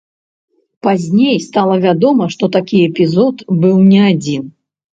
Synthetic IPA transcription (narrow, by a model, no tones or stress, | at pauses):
pazʲnʲejst̪alˠɐvʲad̪ɔmɐʂt̪ɔt̪akʲiɛpʲizɔt̪bɨwnʲɛad͡zʲin